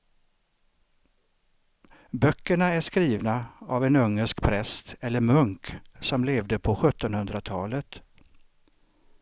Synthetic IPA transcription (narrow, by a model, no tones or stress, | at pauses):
bœkːəɳaæʂkɾiːvnaavɛnɵŋːəʂkpʰɾɛst̪ɛlːəɾmɵŋksɔmleːvd̪əpʰɔɧɵt̪ːɔnhɵnd̪ɾat̪ʰɑːlət̪